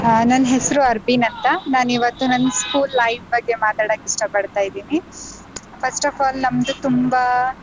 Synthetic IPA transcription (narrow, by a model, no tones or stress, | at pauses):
nɐnːɦesɐɾuɐɾbinɐnt̪ɐnaːniʋɐt̪ːunɐnskuːlːɐjʋbɐɡːe̞maːt̪aːɽɐkiʂʈɐpɐɽt̪aːjid̪iːni | pʰɐsʈɐfaːlnɐmd̪ut̪umba